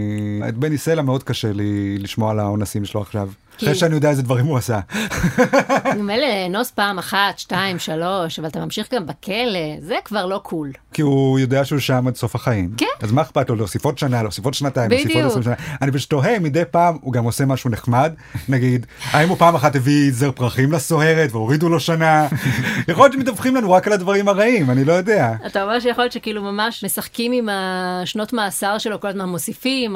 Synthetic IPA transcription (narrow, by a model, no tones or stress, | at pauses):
ḛt̚beniselameo̞d̚kaʃeliliʃmoalaonasimʃeloaχʃav | ʁeʃeanijo̞deaezedvaʁimuasa | imelenospaːmaχatʃtaimʃalo̞ʃavalat̪amamʃiχɡambekʰelezekvaʁlo̞kʰulkiujo̞deaʃeuʃamadso̞fhaχaimkazmaeχpatloleosifo̞tʃanaloosifo̞tʃnataimosifotnsimʃanaanibeʃu̥to̞ɦemid̪e̞jpaːmuɡamo̞se̞maʃuneχmadnaɡidhaimupaːmaχathevizeʁpʁaχimlaso̞ɦe̞ʁetveo̞ʁid̪ulo̞ʃanajaχo̞ljott͡ʃemet̪avχimlanuʁakaladvaʁimaʁaimanilo̞jo̞de̞aat̪aomeʁʃejaχojot͡ʃekiiːlumamaʃmesaχkimimaʃno̞tmaːsaʁʃe̞lokolazmanmosifim